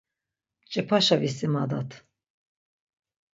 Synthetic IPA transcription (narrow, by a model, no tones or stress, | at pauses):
t͡ʃʼɛpʰaʃavisimad̪at̪ʰ